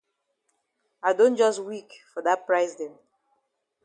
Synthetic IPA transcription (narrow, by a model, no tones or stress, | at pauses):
aɪdõnd͡ʒɔstwikfɔdat̚pɹaɪsdɛ̃m